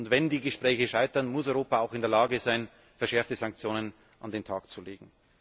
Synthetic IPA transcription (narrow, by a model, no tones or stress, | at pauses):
ntvɛndiːɡəʃpʁ̥ɛːçəʃaɪtɐnmʊsɔʏʁoːpaaʊxɪndeːɐlaːɡəzaɪn | fɛɐʃɛɐftəzãŋk̚t͡sjoːnən | ʔandeːntʰaːkt͡suleːɡŋ̩